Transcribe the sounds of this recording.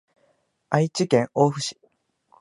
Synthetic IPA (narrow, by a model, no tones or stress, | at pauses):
ait͡ɕikẽ̞ŋoːɸɯ̟ɕi̥